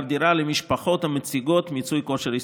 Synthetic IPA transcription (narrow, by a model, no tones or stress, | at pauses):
vd̪iɾalemiʃpaχot̪hamet͡siɡot̪mit͡sujkoʃeɾis